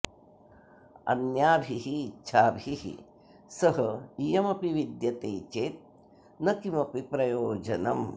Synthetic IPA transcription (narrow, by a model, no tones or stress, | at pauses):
ɐ̰njaːbʱiɦitːʃʰaːbʱiɦḭ | sɐɦɐijɐmɐpiʋid̪jɐt̪eːt͡ʃeːt̪̚ | nɐkimɐpipɾɐjoːd͡ʒɐnɐm